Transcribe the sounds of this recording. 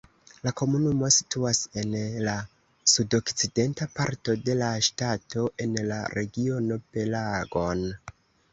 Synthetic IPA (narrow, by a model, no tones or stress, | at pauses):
lako̞munumo̞si̥tuase̞nla | sudo̞kt͡side̞ntapaɾto̞de̞laʃtato̞ʔe̞nlaɾe̞ɡio̞no̞pe̞laɡo̞n